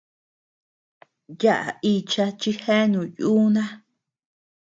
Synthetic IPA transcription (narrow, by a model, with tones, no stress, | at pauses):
ja˦ʔa̰˨i˧t͡ʃa˧t͡ʃi˦he˦nũ˨juː˦nã˦